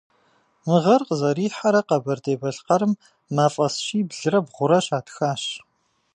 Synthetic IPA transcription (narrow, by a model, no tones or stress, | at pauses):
mɨʁɐrqəzɐɾiːħaɾɐqɐbɐrdeːbɐɬqɐɾɨmː | aːfʼɐsʃiːbɮɨrɐbʁʷʊɾɐɕaːtxaːɕ